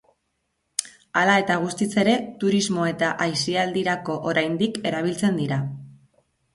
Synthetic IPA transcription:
alae̞t̪aɣ̞ust̪it͡se̞ɾe̞t̪uɾizmo̞e̞t̪aʔajsiald̪iɾako̞ʔoɾajnd̪ike̞ɾaβ̞ilt͡se̞nd̪iɾa

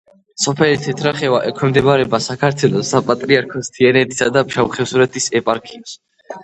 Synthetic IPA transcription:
sɔpʰɛlit̪ʰɛt̪ʰɾaχɛvaʔɛkʰwɛmd̪ɛbaɾɛbasakʰaɾt̪ʰwɛlˠɔsapʼat̪ʼɾiaɾkʰɔst̪ʰiɛnɛt̪ʰi̥sad̪apʃaχɛfsuɾɛt̪ʰʼisɛpʼaɾkʰims

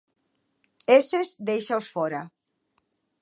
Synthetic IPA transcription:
esezd̪ejʃawsfɔɾɐ

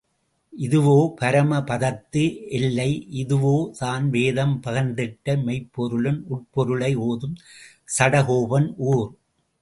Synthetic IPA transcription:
ʔɪðɯʋoːpɐɾɐmɐpɐðɐt̪ːɯʔɛlːɐɪʔɪðɯʋoːt̪aːnʋeːðɐmpɐɣɐnd̪ɪʈːɐmɛɪpːɔɾɯɭɯnʔʊʈ̚pɔɾɯɭɐɪoːðɯm | sɐɽɐɦoːʋɐnʔuːɾ

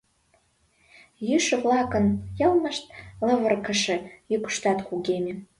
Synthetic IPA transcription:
jɪʂɨʁlakʼɨnjalmaʂtʼlavɨrkʰaʂajɪkʷʂtʰatʼχʷʼuɡʲemʲi

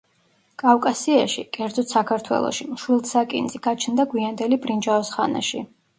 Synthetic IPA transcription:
kʼawkʼasiaʃḭkʼɛɾd̪zɔt̪ʰsakʰaɾt̪ʰwɛ̰lˠɔ̰ʃimʃwilˠd̪sakʼḭnd̪ziɡ̥at͡ʃʰnd̪aɡwiand̪ɛlibʼɾind͡ʒaɔsχa̰na̰ʃi

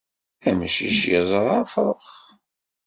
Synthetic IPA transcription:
æməʃḭʃjəzˤɾˤɑfɾˤəχ

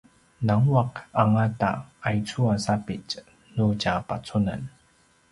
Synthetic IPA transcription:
naŋwakaŋata̰ajt͡suasapit͡ɕ | nucapa̰t͡suna̰n

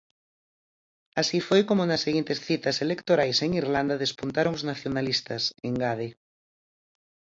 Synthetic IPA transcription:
asifojkomʊnasːeɣint̪esθit̪ɐselekt̪oɾajseŋirland̪ɐðespunt̪aɾoŋoznaθjonalist̪ɐseŋɡað̞e

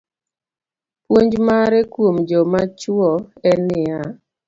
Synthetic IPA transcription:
pwoɲd͡ʒmaɾɛkwomd͡ʒɔmat͡ʃwɔɛnɪa

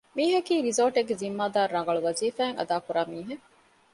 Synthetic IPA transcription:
miːɦɐkiːɾizoːʈeɡːezimːaːd̪aːɾːɐŋɡɐɭuʋɐziːfæːŋʔɐ̰d̪aːkuɾaːmiːɦe

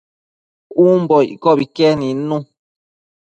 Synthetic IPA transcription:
um̩bɔkɔbikɛninũ

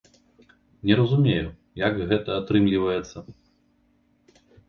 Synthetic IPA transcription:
nʲɛɾɐzumʲeju | jɐkɣɛt̪ɐat̪ɾɨmlʲivɐjɛt̪sːɐ

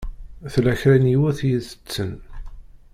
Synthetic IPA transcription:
θlæçɾænjiwæθjəzə̥t͡sːən

